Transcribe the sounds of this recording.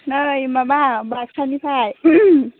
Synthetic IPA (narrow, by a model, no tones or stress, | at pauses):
najmaːbaːŋbaːk̚sʰanipʰaːj